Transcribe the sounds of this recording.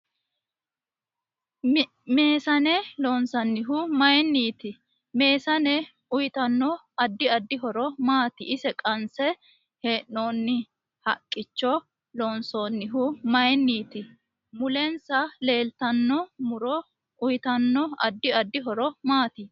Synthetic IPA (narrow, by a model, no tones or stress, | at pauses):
me̞ːsɐnɛloːnsɐnːɪɦʊmɐjɛnːiːt̪ɪ | me̞ːsɐnɛ | ʊjɪt̪ɐnːɔ | ɐd̪ːɪɐd̪ːɪɦɔɾɔmaːt̪ɪʔɪsɛkʼɐnsɛ | he̞ːʔnoːnːɪ | hɐ̰kʼːɪt͡ʃːɔ | loːnsoːnːɪɦʊmɐjɛnːiːt̪ɪ | mʊlɛnsɐle̞ːlt̪ɐnːɔmʊɾɔ | ʊjɪt̪ɐnːɔɐ̰d̪ːɪɐd̪ːɪɦɔɾɔmaːt̪ɪ